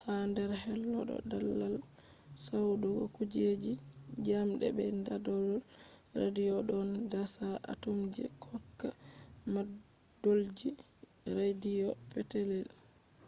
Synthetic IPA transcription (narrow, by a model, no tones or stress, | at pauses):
handɛɾhɛlːɔɗɔ̰dalːal | sawɗukud͡ʒed͡ʒi | d͡ʒamɗɛ̰bɛndadɔl | rḛdijɔɗɔndasaʔa̰tumɡɛ̰kʰɔkːa | madold͡ʒiɾedijɔfɛtɛlɛl